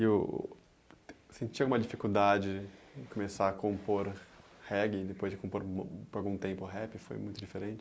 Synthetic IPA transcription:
e | sẽnt͡ʃiawɡũmɐd͡ʒifikud̪ad͡ʒɪ̃komesaɐkõmpoɾhɛɡɪd̪epojzd͡ʒɪkõpoɾmpoɾawɡũt̪ẽmpʊɦɛpɪfo̰jmũj̃t̪ʊd͡ʒifeɾẽnt͡ʃɪ̥

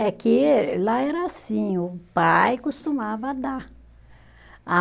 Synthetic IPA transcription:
ɛkɪlaɛɾɐasĩʊpajkost̪umavɐd̪a | a

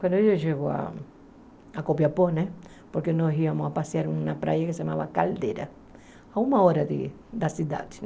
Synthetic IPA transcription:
kwɐ̃nd̪ʊoʒeɡoa̰ | akopjɐponɛ | poɾkenɔɦiɐmʊapasiaɾũnɐpɾʔa̰jɐkesamavɐkald̪eɾɐ | aũmɐɔɾɐd̪ɪ̰ | d̪ɐsid̪a̰d̪ɪ̥

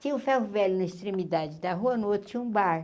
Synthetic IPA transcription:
t͡ʃ̪ĩũfɛɦʊvɛlʊnɐist̪ɾemid̪ad͡ʒɪd̪ɐɦuɐnot̪ʊ̥t͡ʃĩũbaɾ

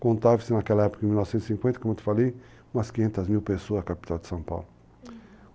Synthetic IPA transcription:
kõnt̪avɪsɪnakɛlɐɛpukɐẽmilnɔvsẽnt̪sĩŋkwẽnɐkõmt̪e̥falej | umɐskĩɲẽnt̪ɐzmiwpesoɐzɐkapi̥t̪awd̪ɪ̥sɐ̃w̃pa̰wlʊ

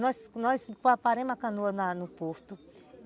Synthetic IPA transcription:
nɔsnɔskapaɾẽmãkãnuɐnanupoɾt̪u

